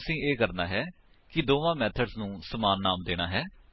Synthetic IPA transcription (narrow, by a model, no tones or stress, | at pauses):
sĩːeːkəɾnaːɦɛː | kɪd̪oːʋãːmɛːt̪ʰəɖznũːsəmaːnːaːmd̪eːɽ̃aːɦɛː